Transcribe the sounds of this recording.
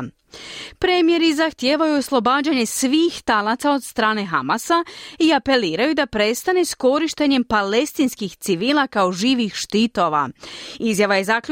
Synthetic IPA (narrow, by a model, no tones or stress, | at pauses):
pɾemje̞ɾizaxt̪jeːʋajuoslˠo̞baːd͡ʑaɲe̞sʋiːxt̪alat̪sao̞d̪st̪ɾaːne̞ɦamasaiape̞liːɾajud̪apɾe̞st̪ane̞sko̞ɾiʃt̪e̞ɲe̞mpale̞st̪inskixt̪siʋiːlˠakao̞ʒiːʋixʃt̪it̪o̞ʋa̰izjaʋaje̞zak